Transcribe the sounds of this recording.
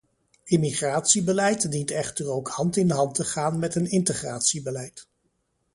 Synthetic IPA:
ɪmiχraːtsibəlɛjtdintɛχtəɹowkhɑntɪnɦɑntəχaːnmɛtənɪntəχraːtsibəlɛjt

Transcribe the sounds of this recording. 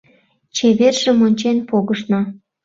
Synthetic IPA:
t͡ɕeβerʃə̆monʲt͡ɕenpoɣəʃnɑ

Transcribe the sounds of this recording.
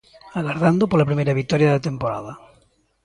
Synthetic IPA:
aɣaɾðand̪opolapɾimejɾaβik̚t̪oɾjaðet̪e̞mpoɾa̰ða

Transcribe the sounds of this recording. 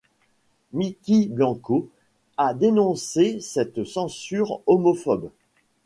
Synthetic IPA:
mikʲiblɑ̃ko | ad̪enɔ̃sesɛt̪sɑ̃syʁomɔfɔb

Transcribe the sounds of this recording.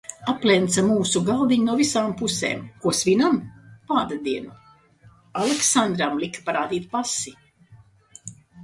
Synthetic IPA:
aplʲɛnt̪samuːsuɡalˠd̪iɲnuɔvisaːmpusḛːmkuɔsvinampaːd̪ad̪iɛnu | alɛksand̪ɾamlikpaɾaːd̪iːt̪pasi

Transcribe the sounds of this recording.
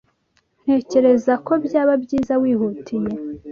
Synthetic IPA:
n̥he̞ːce̞ɾe̞zako̞bjaːβabjiːzawiːɦuːtʰije

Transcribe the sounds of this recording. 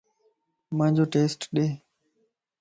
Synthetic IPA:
mãːd͡ʑoːʈeːsʈɗeː

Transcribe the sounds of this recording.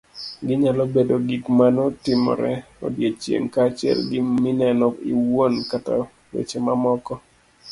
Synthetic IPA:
ɡɪɲalɔbedoɡikmanɔtɪmɔ̰ɾɛ | ɔ̰djet͡ʃjḛŋkaːt͡ʃɪɛ̰lɡɪmɪnɛnɔɪ̰wonkata̰ | wḛt͡ʃemamɔkɔ

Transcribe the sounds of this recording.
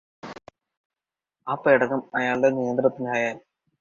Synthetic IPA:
aːpeːɽɐɣɐmɐjaːɭɽe̞nijɐnd̪rɐt̪ːinaːjaːl

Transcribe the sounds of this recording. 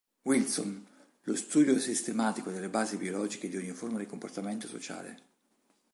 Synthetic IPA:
wilso̰n | lost̪uːd̪josist̪emaːt̪ikod̪elːebaːzibiolɔːd͡ʒiked̪iuɲiformad̪ikomport̪ament̪oso̰t͡ʃa̰ːlḛ

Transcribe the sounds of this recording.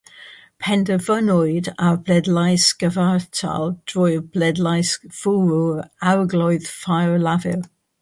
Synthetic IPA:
pʰɛndəvənɔjdaɹb̥lɛdlajskəvaɹtʰa̰lˠd̥ɹɔjb̥lɛdlajsfuɹuɹawɡlɔjð̥fajɹlavɪ̰lˠ

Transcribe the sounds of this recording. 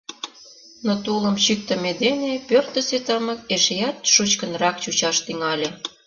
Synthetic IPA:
not̪ulə̆mt͡ɕik̚t̪ə̆med̪enepørt̪ə̆set̪əmə̆keʃejɑt̪̚ʃut͡ɕkə̆nrɑkt͡ɕut͡ɕɑʃt̪yŋɑlʲĕ

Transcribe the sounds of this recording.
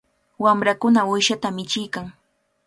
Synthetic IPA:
wamɾakʊnawʊjʃat̪amɪt͡ʃɪjkaŋ

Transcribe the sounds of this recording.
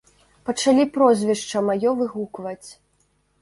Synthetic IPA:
pɐt͡ʂalʲipɾɔzʲvʲɛʂt͡ʂɐmajɔvɨɣukvɐt͡sʲ

